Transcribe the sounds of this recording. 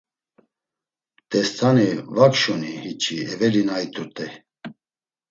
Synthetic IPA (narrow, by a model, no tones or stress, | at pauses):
t̪ʼɛst̪ʰanivakʃunihit͡ʃʰʼiɛvɛɾinajt̪ʰʼuɾt̪ʼɛ